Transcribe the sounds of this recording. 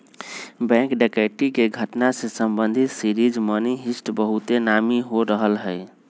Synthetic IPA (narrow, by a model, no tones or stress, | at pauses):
bɛ̃ŋkɖɛkaʈikeɡʱəʈnasesəmbənd̪ʱit̪siɾid͡ʒməniɦisʈbəɦut̪enamiɦoɾəɦəlɦəj